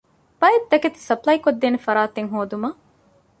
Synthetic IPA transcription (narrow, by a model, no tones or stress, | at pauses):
b̥ɐet̪ːɐket̪i̥sɐplɐjkod̪ːeːnefɐɾaːt̪eŋɦoːd̪umɐ